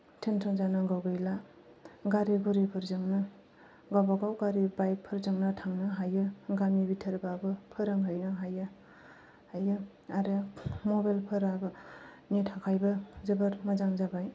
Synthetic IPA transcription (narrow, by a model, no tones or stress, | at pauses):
tʰensʰɔnzanaɡawɡɯjla | ɡaɾiɡuɾipʰɯɾzɯŋnɯ | ɡabaɡawɡaɾibajk̚pʰɯɾzɯŋnɯtʰaŋnɯɦajɯɡamibitʰəɾbabɯpʰɯɾaŋɦajnɯɦajɯ | hajɯ | aɾemobajlpʰɯɾabɯ | netʰakʰajbɯzɯbəɾmɐzaŋzabaj